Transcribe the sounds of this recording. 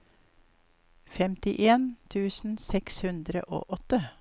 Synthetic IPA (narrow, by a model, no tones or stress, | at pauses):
fɛmt̪ɪʔeːnt̪ʰʉːsn̩sɛkshʉnd̪ɾə̰ʔo̰ːʔɔt̪ə